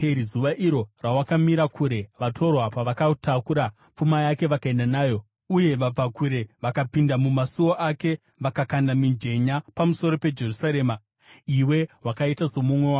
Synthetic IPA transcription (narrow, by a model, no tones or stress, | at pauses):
peɾizuʋaʔiɾo̞rawakamiɾakʰuɾe̞ʋatʰo̞rwapaʋakatakuɾa | p͡fumajake̞ʋakae̞ndanaːjo̞ | uje̞ʋab͡vakuɾe̞ʋakapindamumasuoʔake̞ | ʋakakandamind͡ʒe̞ɲapamuso̞ɾo̞pe̞d͡ʒe̞rusaɾe̞ːma | iwe̞wakaitaso̞mumwe̞waː